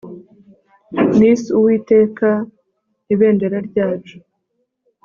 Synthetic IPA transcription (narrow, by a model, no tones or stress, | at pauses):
nisuwiːte̞ːka | niβe̞ːnde̞ɾaɾɟaːt͡ʃo̥